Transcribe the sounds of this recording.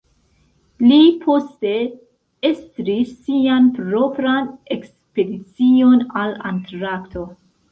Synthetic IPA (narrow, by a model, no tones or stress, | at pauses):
lipʰo̞ste̞ | estɾisːianpɾo̞pɾaneks | pe̞dit͡sio̞nalantɾaktʰo̞